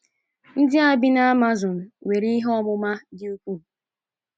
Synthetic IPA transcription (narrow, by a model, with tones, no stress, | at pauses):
n̩˦dɪ˦a˦bɪ˦na˦ma˦zʊ˨n̩˨we˨ɾi˦ɦɔ˦mʊ˦ma˦dɪ˦u˦kʷu˦˨